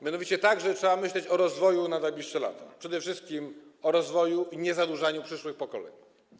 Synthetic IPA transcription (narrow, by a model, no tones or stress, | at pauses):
mʲjanɔvʲit͡ɕɛt̪aɡʐɛtʂɛamɘɕlɛt͡ɕɔɾɔzvɔjunad̪ajbʲiʂʂɛla̰t̪apʂɛd̪ɛfʂɘst̪̚kʲimɔɾɔzvɔjuʔiɲɛzad̪wuʐaɲupʂɘʂwɘxpɔkɔlɛ̰ɲu